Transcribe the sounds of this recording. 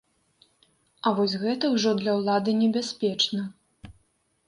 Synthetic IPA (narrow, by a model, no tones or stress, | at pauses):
ɐvɔsʲɣɛt̪ɐwʐɔd̪lʲɐwlˠad̪ɨnʲɛbʲasʲpʲɛt͡ʂnɐ